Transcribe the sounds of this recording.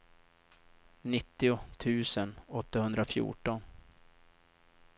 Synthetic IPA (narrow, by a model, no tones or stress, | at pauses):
nɪt̪ːɪʊt̪ʰʉ̟ːsənɔt̪ːahɵnd̪ɾafjṵːʈɔn